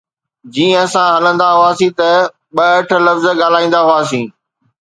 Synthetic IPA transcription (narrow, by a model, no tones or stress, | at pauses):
d͡ʑiːə̃sãɦɐlə̃nd̪aɦʊaːsĩt̪ɐ | ɓɐɐʈ̆ʰlɐfzɠaːl̤aːĩːn̆d̪aɦʊaːsĩː